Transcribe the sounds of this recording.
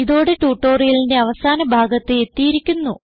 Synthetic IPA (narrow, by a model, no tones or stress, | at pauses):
iðo̞ːɽeʈuːʈːo̞ːrijilinde̞ɐʋɐsaːnɐbʱaːɡɐt̪ːɨe̞t̪ːijiɾikʲːunːu